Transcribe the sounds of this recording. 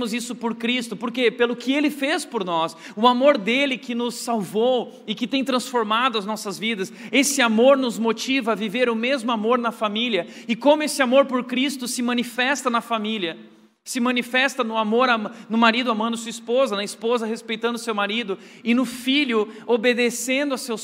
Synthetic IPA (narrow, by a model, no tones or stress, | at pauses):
mʊzisʊpoɾkɾist̪ʊpoɾkepelʊkɪelɪfespoɾnɔs | ʊamoɾd̪elɪkɪnʊsːawvow | ɪkɪt̪ẽj̃t̪ɾɐ̃sfoɾmad̪ʊɐznɔsɐzvid̪ɐsesɪamoɾnʊzmot͡ʃivɐːviveɾʊmezmʊamoɾnɐfamiliɐ | ɪkõmʊesɪamoɾpoɾkɾist̪ʊsɪmɐ̃nifɛst̪ɐnɐfamiliɐ | sɪmɐ̃nifɛst̪ɐnʊamoɾanʊmaɾid̪ʊamɐ̃d̪ʊsuispozɐnɐispozɐhespejt̪ɐ̃nd̪ʊsewmaɾid̪ʊ | ɪnʊfilʲʊobed̪esẽnd̪ʊasew